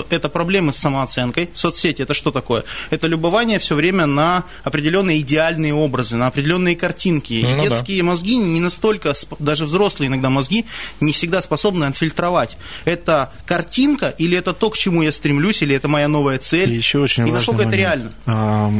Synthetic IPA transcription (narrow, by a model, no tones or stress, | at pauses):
ɛt̪əpɾɐblʲe̞mɨsːəməɐt̪sɛnkəjsot̪sʲetʲɪɛt̪əʂt̪o̞t̪ɐko̞jəɛt̪əlʲʊbɐvanʲɪjəfsʲovɾʲemʲənɐ | ɐpɾʲɪdʲɪlʲo̞nːɨjəɪdʲɪalʲnɨjəo̞bɾəzɨnɐɐpɾʲɪdʲɪlʲo̞nːɨjəkɐrtʲinkʲɪid̪ʲe̞skʲɪjəmɐzɡʲinʲɪnɐst̪o̞lʲkəsd̪aʐɨvzɾo̞slˠɨjəɪnɐɡ̚d̪amɐzɡʲinʲɪfsʲɪɡd̪aspɐso̞bnɨɐt̪fʲɪlʲt̪ɾɐvatʲ | ɛt̪ə | kɐrtʲinkəʔilʲɪɛt̪ət̪o̞kt͡ɕɪmujast̪ɾʲɪmlʲusʲilʲɪɛt̪əmɐjano̞vəjət̪sɛlɪɕːoot͡ɕɪnɪnɐkolkəɛt̪əɾʲɪalʲnəa